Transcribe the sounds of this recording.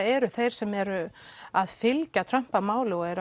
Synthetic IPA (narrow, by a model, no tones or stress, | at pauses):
ɛɾʏθejɾ̥sɛmɛɾʏaðfɪlcat̪ʰɾœm̥pamaːwlɪɔɛɾʏ